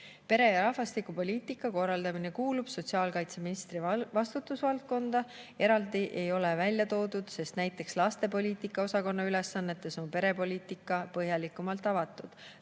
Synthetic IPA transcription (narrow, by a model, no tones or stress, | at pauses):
pe̞ɾe̞jɑɾɑhfɑst̪ikupo̞lʲiːt̪ˑikːˑɑko̞rːɑld̪ɑmine̞kuːlub̥so̞t̪siɑːlkɑjt̪se̞minist̪ɾivɑst̪ut̪ːˑusvɑlt̪̚ko̞nd̪̥ɑ | e̞ɾɑld̪iʔe̞jo̞le̞vælʲjɑt̪o̞ːd̪ud̪̥se̞st̪næjt̪ːˑe̞kslɑst̪e̞po̞lʲiːt̪ˑikːˑɑo̞sɑko̞nːɑyle̞sːɑnːe̞t̪ːˑe̞so̞mpe̞ɾe̞po̞lʲiːt̪ˑikːˑɑpɤɦjɑlikːˑumɑlt̪ˑɑvɑt̪ːˑud̪̥